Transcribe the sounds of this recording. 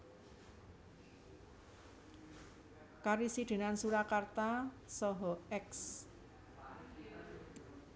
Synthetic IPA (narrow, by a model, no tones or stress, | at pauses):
kaɾisiɖ̪̥e̤nansuɾakart̪a | sɔɦɔɛks